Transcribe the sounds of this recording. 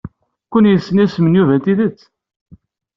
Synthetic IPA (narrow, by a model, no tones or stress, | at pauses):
kʷənjəsːənæsmənjuvæt̪iðət͡sː